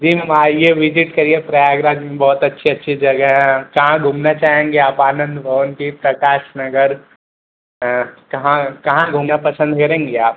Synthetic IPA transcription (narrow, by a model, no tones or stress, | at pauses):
d͡ʒiːmaːjeʋɪd͡ʒɪʈkɐɾiepɾajaːɡɾaːd̪mẽbɔːt̪ɐtːʃʰiɐtːʃʰid͡ʒɐɡəɦɛ̃kɐɦãɡʱuːmnat͡ʃaːɦẽːŋɡeaːpaːnə̃nd̪bʱɐʋənkipɾɐkaːʃnɐɡəɾ | kɐɦãkɐɦãɡʱuːmnapɐsə̃nd̪kɐɾẽːŋ̆ɡeaːp̚